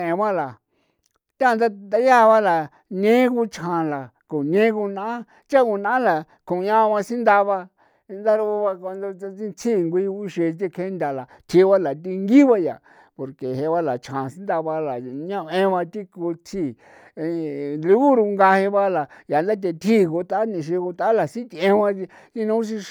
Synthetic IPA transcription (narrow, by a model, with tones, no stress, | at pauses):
ẽ˨˧βã˦la˨ | t̪ã˦˧nd̪a˦d̪a˧ja˦˨˧βa˦la˨ | ɲẽ˦ku˧t͡ʃʰã˨la˨ko˨nẽ˦ku˧nã˦ã˦ | t͡ʃa˦ku˧nã˧a˦la˨ | kʰũ˨ɲã˦˧βã˧si˦nd̪a˧βa˧ | nd̪a˦ɾu˧βa˧ko˧nd̪o˧a˧ĩ˧t͡sʰi˦˨ŋɡʷi˧u˦ʃe˧t͡ʃ̬i˧kʰe˦nd̪ʲa˨la˨ | t̪ʰi˧˦βa˦la˨t̪̬i˧ŋɡi˦βa˧ja̰˨ | po˨ɾke˨ɦe˧βa˧la˨t͡ʃʰã˨sĩ˦nd̪a˧βa˧la˨ɲã˦βẽ˦˧βã˧t̪i˦ku˧t̪ʰi˦˨˧ | lu˧ɣu˦ɾu˧ŋɡa˧he˧βa˦la˨ja˨nd̪a˦t̪̬e˧t̪ʰi˦˨˧ko˧t̪a˦a˦nĩ˧ʃ̬i˧ko˧t̪a˦a˦la˨sĩ˦t̪i˧ẽ˧˦˧βã˧ | ti˦nũ˦s̬i˧